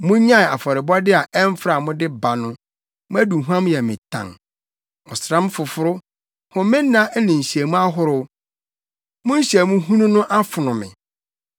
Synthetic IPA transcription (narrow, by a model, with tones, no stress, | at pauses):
mʊ̃˦ɲã˦˨a˨fɔ˨ɾɪ˨bɔ˦dɪ˦a˨ʔɛ˦m˦fɾa˨mʊ̃˦dɪ˦ba˨nʊ̃˦ | mʊ̃˦æ˦du˨ɦu˦ã˦mjɛ˨mɪ̃˨tʰã̰˨ŋ | ɔ˨sɾã˦m˦fʊ˨fʊ˦ɾʊ˦ | hʊ̃˨mɪ̃ː˦ã˦nɪ̃˨ɕi˨æ˨mũ˦a˦ɦʊ˦ɾʊ˦ | mʊ̃˦n̩˦ɕi˨æ˨mũ˦ɦũ˦nũ˦nʊ̃˦ʔa˦fʊ˨nʊ̃˨mɪ̰̃˨